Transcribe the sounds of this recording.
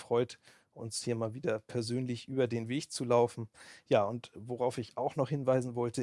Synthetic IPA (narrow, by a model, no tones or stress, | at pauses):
fʁ̥ɔʏt | ʔʊ̰nshiːɐmaːlviːdɐpʰɛɐzøːnlɪçʔyːbɐdeːnveːkt͡sulaʊfn̩jaːʊntvoʁaʊfɪçaʊxnɔχhɪnvaɪzn̩vɔltə